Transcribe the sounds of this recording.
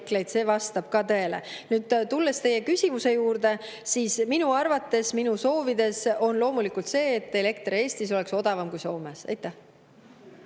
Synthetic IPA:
kle̞jd̪̥se̞ːvɑst̪ɑb̥kɑt̪ɤ̞e̞le̞̰nyːd̪̥t̪ulːe̞st̪e̞je̞kysʲimuse̞juːrd̪̥e̞ | siːsminuɑrvɑt̪ːe̞sminuso̞ːvid̪e̞so̞nlo̞ːmulikult̪se̞ːt̪ːˑe̞le̞kt̪rie̞ːst̪iso̞le̞kso̞d̪̥ɑvɑmkujso̞ːmesɑ̰jt̪ːˑæh

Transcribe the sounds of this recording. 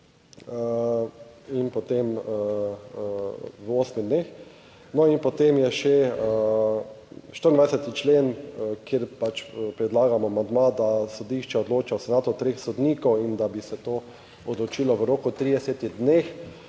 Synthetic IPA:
ə | inpɔt̪em | ʋoːsmid̪nex | nɔinpɔt̪emjɛʃɛ | ʃt̪əɾnd̪ʋajsɛt̪it͡ʃleːnkjeɾpat͡ʃpɾɛd̪laːɡamɔamand̪mad̪asod̪iʃt͡ʃɛod̪loːt͡ʃawsɛnaːt̪ɔt̪ɾexsɔd̪niːkɔwind̪abisɛt̪oː | od̪lot͡ʃiːlɔʋəɾoːkʊt̪ɾid̪ɛset̪iɣd̪nex

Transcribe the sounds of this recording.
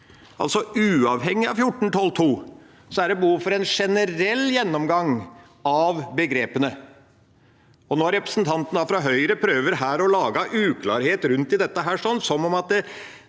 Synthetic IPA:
ʔɑ̰lt̪sɔʉːɑʋɦɛŋːɪɑ̰ʋfjʊʈːɳ̩t̪ʰɔlt̪ʰuː | sɔæɖɛbəhuːfɔɾɛnʂɛnəɾɛlːjɛnːɔmɡɑŋː | ɑʋbəɡɾeːpənə | ɔnoːæɾɛpɾə̥sn̩t̪ʰɑnt̪ən̩d̪ɑːfɾɑɦœʏɾəpʰɾøːʋəɾhæːɾɔlɑːɡɑʔʉːkʰlɑ̰ːɾheːt̪ɾʉnt̪ɪd̪ɛt̪ːəɦæːʂɔnːsɔmɔmɑt̪̚d̪ɛ

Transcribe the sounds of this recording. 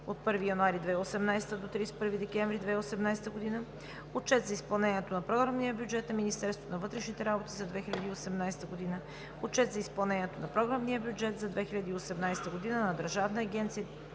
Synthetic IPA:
ot̪̚pɤɾvijɐnuaɾid̪vɛiosɛmnajst̪əd̪ot̪ɾispɤɾvid̪ɛkʲɛ̃ɱvɾid̪vɛiosɛmnajst̪əɡod̪inə | ot͡ʃɛt̪zɐispɐlˠnɛniɛt̪onɐpɾɔɡɾəmnijəbʲjud͡ʒɛt̪nɐminist̪ɛɾst̪vo̥t̪onɐvɤt̪ɾɛʃnit̪ɛɾabot̪izɐd̪vɛxilʲɐd̪iːosɛmnajst̪əɡod̪inə | ot͡ʃɛt̪zɐispɐlˠnɛnʲiɛt̪onɐpɾoɡɾamnijəbʲjud͡ʒɛt̪zɐd̪vɛxiʎʲɐd̪iːosɛmnajst̪əɡod̪inənɐd̪əɾʒavnɐːɡʲɛnt̪sijə

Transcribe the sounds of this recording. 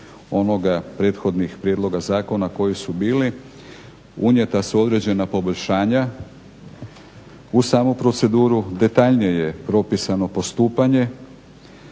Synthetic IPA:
o̞no̞ɡapɾe̞ːt̪xo̞d̪nixpɾje̞d̪lo̞ɡazaːko̞nako̞jisubiːli | uɲje̞t̪asuo̞d̪ɾe̞d͡ʑe̞napo̞bo̞ʎʲʃaːɲa | usaːmupɾo̞t̪se̞d̪uːɾud̪e̞t̪aʎnijeje̞pɾo̞pisano̞po̞st̪uːpaɲe̞

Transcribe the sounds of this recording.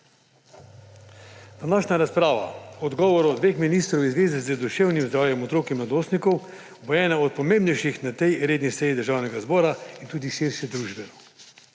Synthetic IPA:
d̪̥anaːʃɲaɾaspɾaːʋa̰ɔd̪ɡɔːʋɔɾɔd̪ʋexminist̪ɾɔwizʋeːzɛzəd̪uʃewnimzd̪ɾaːwjɛmɔt̪ɾoːkimlad̪oːst̪nikɔw | bɔɛːnaɔt̪̚pɔmẽmbnɛjʃixnat̪ɛjɾeːd̪nisɛːjid̪əɾʒaːwnɛɡazbɔːɾaint̪uːd̪iʃiɾʃɛd̪ɾuʒbɛnɔ

